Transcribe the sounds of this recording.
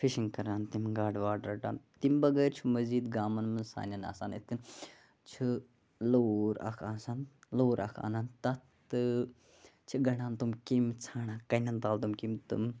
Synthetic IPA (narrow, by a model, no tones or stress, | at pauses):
fʰiʃiŋɡkɐɾaːnt̪imɡaːɖʋaːɖɾɐʈa̰ːnt̪imbɐɡɐjɾt͡ʃʰumɐziːd̪ɡaːmɐnmɐnsa̰ːnʲɐna̰ːsa̰ːnit̪̚ʰkɐn | t͡ʃʰu | loːɾa̰kʰaːsaːnloːɾʔa̰kʰa̰ːnaːnt̪ɐt̪ | ɨ | t͡ʃʰiɡɐɳaːnt̪umkimt͡sʰaːɳaːkɐnʲɐnt̪aːlt̪umkimt̪ṵm